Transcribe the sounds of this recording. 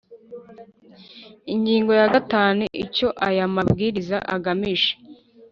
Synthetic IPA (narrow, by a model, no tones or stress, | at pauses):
iɲɟiːŋɡo̞jaɡataːnuʔico̞ʔajamab̚ɡiːɾiza̰ʔaɡamiʃe̥